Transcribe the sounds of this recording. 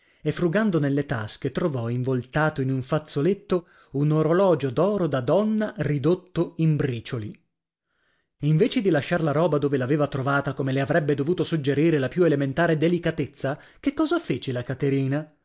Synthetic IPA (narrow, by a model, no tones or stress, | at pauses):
efɾuɡand̪onelːet̪asket̪ɾovɔiɱvolt̪aːt̪oinuɱfat̪sːolet̪ːo | unoɾolɔːd͡ʒod̪ɔːɾod̪ad̪ɔnːarid̪ot̪ːoimbɾiːt͡ʃoli | iɱveːt͡ʃed̪ilaʃːarlaɾɔːbad̪oːvelaveːvat̪ɾovaːt̪akomeleavɾɛbːed̪ovuːt̪osud͡ʒːeɾiːɾelapjuelement̪aːɾed̪elikat̪et̪sːa | kekːɔːzafeːt͡ʃelakat̪eɾiːna